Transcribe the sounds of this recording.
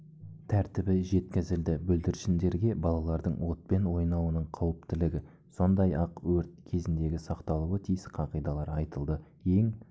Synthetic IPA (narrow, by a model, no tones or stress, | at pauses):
t̪ʰæɾt̪ɪbɪʒe̞t̪kʲɪzɪld̪ɪbɵld̪ɪɾʃɪnd̪e̞ɾɡʲe̞bɑlˠɑlˠɑɾd̪əɴwo̞t̪̚pe̞nwo̞jnɑwənəɴqʰɑwəp̚t̪ɪlɪɡʲɪ | so̞nd̪ɑjɑqwɵɾt̪̚kʲʰe̞zɪnd̪e̞ɡʲɪsɑqt̪ɑlˠuwət̪ʰijɪsqʰɑqijd̪ɑlˠɑɾɑjt̪əlˠd̪ə | e̞ŋ